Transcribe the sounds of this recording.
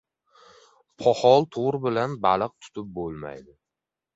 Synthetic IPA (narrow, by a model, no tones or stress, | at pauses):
pʰɒhɒlˠt̪ʰoʁɾɪbɪlanbalɨq̚t̪ʰʊ̥t̪ʰɪp̚bolˠma̰jd̪ɪ